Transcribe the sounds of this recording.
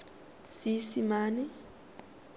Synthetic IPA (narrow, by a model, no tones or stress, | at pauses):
sisimaːnɛ